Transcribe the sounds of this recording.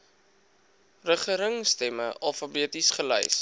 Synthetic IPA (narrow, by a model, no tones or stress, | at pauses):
rəχəɾəŋstɛməʔɐlˠfɑbiətisχəlɛ̰js